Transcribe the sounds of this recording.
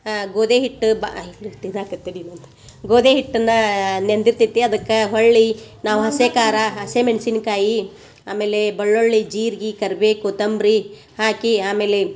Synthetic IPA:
ɡoːd̪eːɦiʈːuba̰ilit̪iɾaːkɐt̪ːiɽinɐnt̪ɐ̥ | ɡoːd̪eːɦiʈːɐnːɐnend̪iɾt̪it̪ːiɐd̪ɐkːɐɦoɭːinaːʋuɦɐseːkaːɾɐɦɐsemensinkaːji | aːmeːlebɐɭːoɭːid͡ʒiːɾiɡikɐɾbeːkut̪ɐmbɾi | haːkiaːmeːle

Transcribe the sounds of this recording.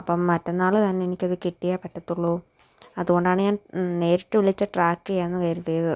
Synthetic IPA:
ɐpːɐmːɐtːɐnːaːɭɨt̪ɐnːeenikʲːɐðɨkiʈːijapːɐʈːɐt̪ːuɭːoː | ɐðuɣo̞ɳɖaːɳɨɲaːnne̞ːɾiʈːɨʋiɭit͡ɕːɐʈraːkːɨjajenːɨkɐjɾut̪ːejðɨ

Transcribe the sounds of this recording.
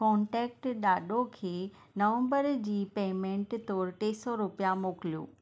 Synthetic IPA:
kɔ̃ːɳʈɛːk̚ʈɗaːɗokʰeː | nɐʋə̃mbəɾd͡ʑiːpeːmẽːɳʈt̪ɔːɾt̪eːsɔɾʊpijamoːkɪlijo̰ː

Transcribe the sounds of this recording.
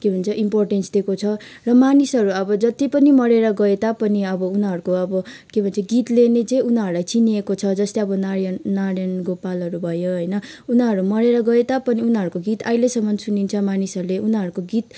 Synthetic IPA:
kebʱʌnt͡sʰʌʔimporʈensd̪ekot͡sʰʌrʌmanisʌɾuʌbʌd͡zʌt̪ipʌnimʌɾeɾʌɡʌet̪apʌniʌbʌunɦʌɾukoʌbʌkebʱʌnt͡sʰʌɡit̪lenet͡sʌĩunʌɾulajt͡siniekot͡sʰʌd͡zʌst̪eʌbʌnaɾjʌːaɽjʌnɡopalʌɾubʱʌjoɦʌjnʌunɦʌɾumʌɽeɾʌɡʌet̪apʌniunɦʌɾukoɡit̪ajlesʌmʌnsunint͡sʰʌmanisʌɾuleʔunʌɾukoɡit̪̚

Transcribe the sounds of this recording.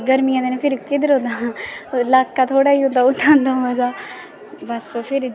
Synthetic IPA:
ɡəɾmiãd̪eːnẽpʰɪɾkɪd̪əɾɦõːd̪aːlaːkːaːt̪ʰoːɽaːiːõnd̪aːʊt̪ʰːãːnd̪azaː | bəsopʰɪɾ

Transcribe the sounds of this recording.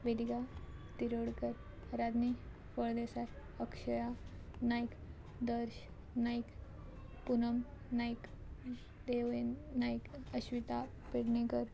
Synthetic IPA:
ʋed̪iɡat̪iɾoɽkəɾ | ɾad̪ni | fəɭd̪esa | əkʂəjanajk | d̪əɾʃ | naik | punəmnajk | d̪eʋenaikəɕʋit̪a | piɽnekəɾ

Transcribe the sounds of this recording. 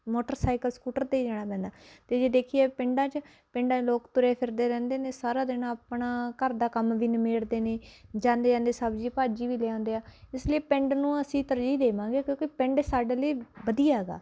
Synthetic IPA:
moːʈəɾsaːɪkəlskuːʈəɾt̪eːiːd͡ʒaːɽ̃aːpɛ̃ːnd̪aːt̪eːd͡ʒeːd̪eːkʰijeːpɪɳɖãːt͡ʃ | pɪɳɖãːt͡ʃloːkt̪ʊɾeːpʰɪɾd̪eːɾɛ̃ːnd̪eːneːsaːɾaːd̪ɪnãːəpɳaːkəɾd̪aːkəmʋiːnmeːɽd̪eːneːd͡ʒãːnd̪eːd͡ʒãːnd̪eːsəbd͡ʒiːpaːd͡ʒiːʋiːleːãːnd̪eːaːɪsliiːpɛ̃ɳɖnũːəsĩːt̪əɾd͡ʒiːd̪eːʋãːŋɡeːkjõːkɪpɛ̃ɳɖsaːɖeːləiːbəd̪iːaːɦɛːɡa̰ː

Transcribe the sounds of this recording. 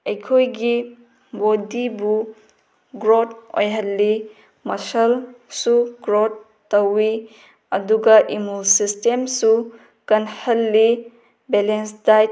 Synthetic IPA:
ejkʰojɡi | bodibu | ɡɾot̚o̰jɦɐlːi | mɐsɐlsuɡɾotː | ɐwi | ɐduɡɐʔimulsistemsu | kɐnhɐlːi | belensdaj

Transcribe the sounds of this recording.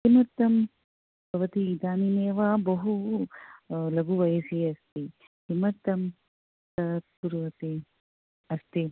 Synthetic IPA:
himɐɾt̪ɐm | bʱɐʋɐt̪iːd̪aːnineːʋaːbɐɦu | lɐɡuʋɐjɐsiɐst̪i | himɐɾt̪ɐm | t̪ɐt̪̚puɾʋɐt̪i | ɐst̪i

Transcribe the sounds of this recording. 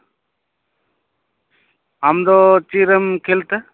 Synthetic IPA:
amd̪ot͡ʃiɾəmkʰelt̪ə

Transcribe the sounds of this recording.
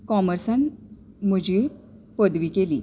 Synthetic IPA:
kɔməɾsan | m̤əd͡ʑʱi | pəd̪ʋikelḭː

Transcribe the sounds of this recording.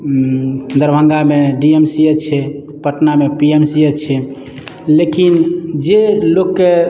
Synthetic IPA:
d̪əɾbʱə̃ŋɡameɖiemsiet͡ʃʰɛ | pəʈnamepiemsiet͡ʃʰɛ | lekind͡ʒelokːe

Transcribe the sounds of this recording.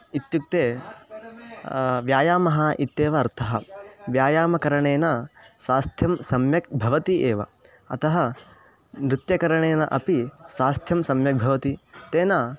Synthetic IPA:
it̪juk̚t̪eː | ʋjaːjaːmɐɦɐʔit̪ːeːʋɐːɾt̪ʰɐɦɐʋjaːjaːmɐkɐɾɐɳeːnasʋaːst̪ʰjɐmsɐmjɐk̚bʱɐʋɐt̪iʔeːʋɐ̰ | ɐ̰t̪ɐɦɐ | mɾɪt̪jɐkɐɾɐɳeːnɐʔɐpisʋaːst̪ʰjɐmsɐmjɐk̚bʱɐʋɐt̪it̪eːnaː

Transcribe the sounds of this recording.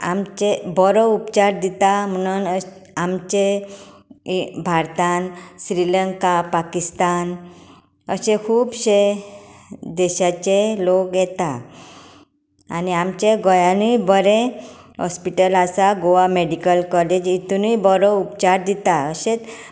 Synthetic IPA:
a̰mt͡ɕebɔɾɔupt͡ɕaɾd̪it̪am̤əñunamt͡ɕe | bʱaɾt̪ansɾiləŋkapakist̪an | əɕekʰuːbɕe | d̪ɛɕat͡ɕelokjɛt̪a | niamt͡ɕeɡɔjãnuibəɾẽɦɔ̰spiʈəlasaɡoameɖikəlkɔled͡ʑit̪unujbɔɾɔupt͡ɕaɾd̪it̪aəɕet̪

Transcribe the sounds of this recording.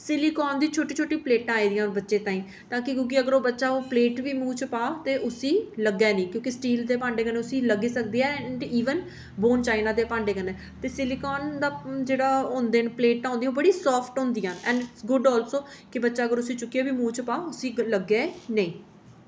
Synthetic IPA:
sɪliːkɔːnd̪iːt͡ʃʰoːʈiːt͡ʃʰoːʈĩːpleːʈãːiːd̪ijãːbətːʃẽːt̪ãːĩː | t̪ãːkɪɡʊɡiːəɡəɾoːbətːʃaːoːpleːʈʋiːmuːt͡ʃpaːt̪eːʔʊsiːləɡɛːnĩːkjõːkɪsʈiːld̪eːpãːɳɖeːkəneːʊsĩːləɡiːsək̚d̪eːɛːɳɖiːʋən | boːnt͡ʃaːinaːd̪eːpãːɳɖeːkənɛː | t̪eːsɪliːkɔːnd̪aːd͡ʒeːɽaːɦõːnd̪eːnpleːʈːãːõnd̪ijãːobəɽiːsɔːpʰʈɦʊ̃ːnd̪ijãːʔɛ̃ːɳɖsɡʊɖɔːlsoːkɪbətːʃaːəɡəɾʊsĩːt͡ʃʊkːijaːbiːmũːt͡ʃpaːʊsĩːləɡeːnəĩː

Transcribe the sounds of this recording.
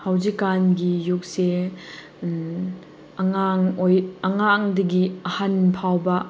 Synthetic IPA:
hawzikːanɡijuk̚se | ɐŋaŋojɐŋaŋdɐɡiɐhanpʰawbɐ

